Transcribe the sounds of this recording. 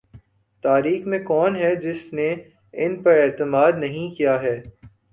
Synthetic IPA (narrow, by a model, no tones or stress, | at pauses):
t̪aːɾiːxmẽkɔːnɦɛd͡ʒɪsne | ɪnpɐɾɛːt̪əmaːd̪nɐɦĩkijaɦɛː